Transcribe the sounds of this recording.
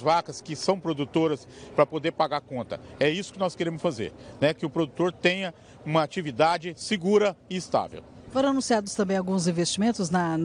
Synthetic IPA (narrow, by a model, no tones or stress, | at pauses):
vakɐskɪsɐ̃w̃pɾod̪ut̪oɾɐspɾɐpod̪eɾpaɡaɾkõnt̪ɐ̰ɛisʊ̥kɪnɔskeɾẽmʊsfazḛɾnɛkɪʊpɾod̪ut̪oɾt̪ẽɲɐ | ũmɐat͡ʃivid̪ad͡ʒɪsɪɡuɾɐɪːst̪a̰vḛw | foɾɐ̃anũsiad̪ʊst̪ɐ̃mbẽj̃awɡũzĩvest͡ʃimẽnt̪ʊznɐ